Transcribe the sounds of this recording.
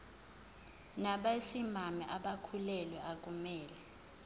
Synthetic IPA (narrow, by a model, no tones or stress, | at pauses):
naɓasimamɛʔaɓakʰulɛlwɛak̬ʼumɛːlɛ